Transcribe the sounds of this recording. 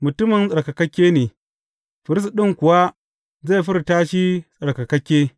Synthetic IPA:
mʊ˨tʊ˦mɪ˨nsʼɐ˨ɽkɐ˨kɐ˦kʲːeː˦neː˨ | ɸɪ˨ɾɪ˦stɗɪ˦ŋkʷʊ˨wa˦ | ze˦˨ɸɪ˦ɾtaː˦ʃi˦sʼɐ˨ɽka˨kɐ˦kʲːeː˦

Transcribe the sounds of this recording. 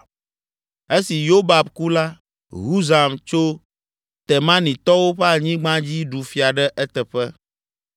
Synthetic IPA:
e˦si˨jo˦ba˨bku˦la˦ | ɦu˦za˨mt͡ʃo˦ | t̪ɛ˨mã˦nĩ˨t̪ɔ˦wo˦ɸɛ˦a˦˨ɲĩ˦ɡ͡bã˦d͡ʑi˦ɖu˨fi˨a˨ɖɛ˦ʔɛ˦t̪ɛ˨ɸɛ˦

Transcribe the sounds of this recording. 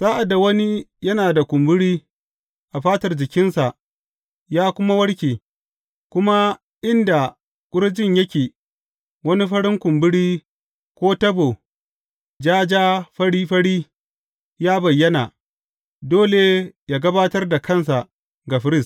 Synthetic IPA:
z̥aː˦ʔa˨da˨wɐ˦ni˦jɐ˦naː˨da˨kʷʊ˨mbɪ˦ɽiː˦ | ʔa˨ɸaː˦tɐ˨rd͡ʒɪ˨kʲɪ˦nsa˨ʔ | jaː˦kʷʊ˦ma˦wɐ˦ɽkʲiː˨ | kʷʊ˦ma˦ | ʔɪ˦nda˨ | kʷʼʊ˦ɽd͡ʒɪ˦˨ɲjɐ˦kʲeː˨ | wɐ˦ni˦ɸɐ˦ɽɪ˦ŋkʷʊ˨mbɪ˦ɽiː˦ | kʷoː˦tɐ˦bo˨ | d͡ʒaː˦d͡ʒaː˦ɸɐ˦ɽiː˦ɸɐ˦ɽiː˦ | jaː˦bɐ˨jːɐ˦na˨ | doː˦le˨jaː˦ɡɐ˦baː˦tɐ˦rda˨kɐ˦˨ns̬a˨ʔ | ɡa˨ɸɪ˦ɾɪ˦˨s

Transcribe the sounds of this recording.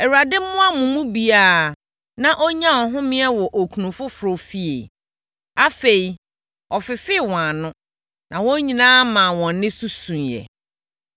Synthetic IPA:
ɛ˨wu˨a˨dɪ˦mʊ̃˦a˦mũ˨mũ˦bi˨a˦˨ | nã˨ʔɔ˦ɲã˦wɔ̃˨ɦʊ̃˦mɪ̃˦ɛ˦wɔ˨ʔo˨kʰu˨nũ˨fʊ˦fɾʊ˨fi˦ḛ˨ | a˦fe˨i˨ | ɔ˨fɪ˨fɪ˦˨wɔ̃˨a˨nʊ̃˦ | nã˨wɔ̃˦ɲĩ˨nãː˦mã˨wɔ̃˨nːɪ̃˦su˦sũ˨njɛ̰˨

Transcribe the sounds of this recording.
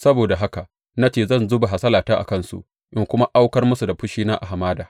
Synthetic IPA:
sɐ˦boː˨da˨ɦa˦ka˨ʔ | na˦t͡ʃeː˦˨zɐ˦˨nzʊ˦ba˨ɦa˨sɐ˦laː˨taː˦ʔa̰˨kɐ˦˨nsṵ˦ʔ | ʔɪ˦ŋkʷʊ˦ma˦ʔa˦wkɐ˦rmʊ˦su˨da˨ɸʊ˦ʃiː˦naː˦ʔa˨ɦa˨maː˦daː˨

